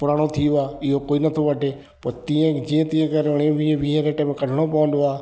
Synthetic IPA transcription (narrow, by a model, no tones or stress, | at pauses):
pʊɾaːɽ̃ot̪ʰijoaːɪɦokoːinɐt̪ʰoʋəʈeː | pɐɾt̪iə̃d͡ʒiə̃t̪ĩːẽkəɾɽ̃ẽʋiʋieɾeːʈemẽkɐɖʱəɽ̃opɐʋə̃nd̪oaː